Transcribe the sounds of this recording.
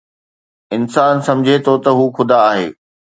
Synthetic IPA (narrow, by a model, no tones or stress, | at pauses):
ɪnsaːnsɐ̃md͡ʑʱet̪ʰot̪ɐɦuːxʊd̪aːɦḛː